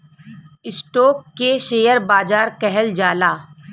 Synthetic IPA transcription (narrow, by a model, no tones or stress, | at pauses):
ɪsʈoːkːeʃeːjəɾbaːd͡ʒaːɾkɛɦɛld͡ʒaːlaː